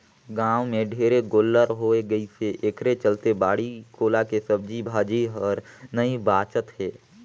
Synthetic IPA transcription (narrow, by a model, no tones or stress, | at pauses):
ɡãːʋmẽɖʱeːɾeɡoːlːəɾɦoːeɡəiseʔekʰɾet͡ʃəlt̪ebaːɽikoːlakesəb̚d͡ʒibʱaːd͡ʒiɦɔɾnəibaːt͡ʃət̪ɦɛː